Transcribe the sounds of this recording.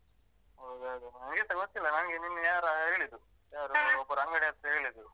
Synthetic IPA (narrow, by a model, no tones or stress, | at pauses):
ɦɐwd̪ɐwd̪unɐnɡit̪ɐɡot̪ːilːɐnɐnɡeninːujaːɾaɦeːɭid̪u | jaːɾuɔbːɐɾɐŋɡɐɽeɐnt̪ɐɦe̞ːɭid̪u